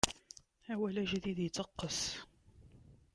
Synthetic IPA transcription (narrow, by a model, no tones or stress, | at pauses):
hæwælæʒəðiðjt͡s̪ɑqːəs